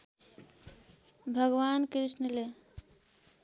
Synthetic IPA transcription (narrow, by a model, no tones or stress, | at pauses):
bʱʌɡwankɾisnəle